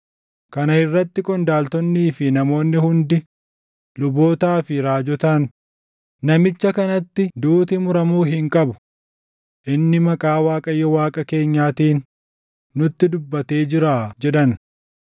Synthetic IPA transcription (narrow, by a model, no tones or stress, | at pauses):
kɐnɐɪrːɐt̪ːɪkʼɔnd̪aːlt̪ɔnːiːfɪnɐmo̞ːnːɪhʊnd̪ɪ | lʊbo̞ːt̪aːfɪɾaːd͡ʒɔt̪an | nɐmɪt͡ʃːɐkɐnɐt̪ːɪd̪uːt̪ɪmʊɾɐmuːɦɪŋkʼɐbʊ̥ | ʔɪnːɪmɐkʼaːwaːkʼɐjːɔwaːkʼɐke̞ːɲːaːt̪iːnː | ʊt̪ːɪd̪ʊbːɐt̪e̞ːd͡ʒɪɾaːd͡ʒɛᶑɐn